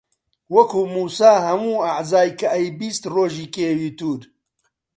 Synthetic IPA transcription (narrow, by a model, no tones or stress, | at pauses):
wɐkʰuːmuːsaːɦɐmuːaʕzaːjkʰɐʔɛjbiːst̪roːʒiːkeːwiːt̪uːɾ